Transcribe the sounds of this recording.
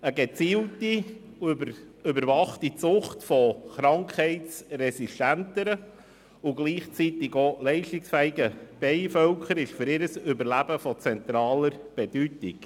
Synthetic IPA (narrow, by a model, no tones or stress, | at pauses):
əɡɛt͡siːlti | ʏbəɾvɑχtit͡sʊχtfɔχɾɑŋkχhɛɪt͡srɛsiʃtæntəɾə | ʊɡliːχt͡sitɪɡolɛɪʃtɪksfæɪɡəb̥ɛɪfœlkχəɾɪʃfʏɾɪɾəsʏbəɾlæb̥əfɔt͡sɛnt̪ɾɑːləɾb̥ɛd̥ytɪk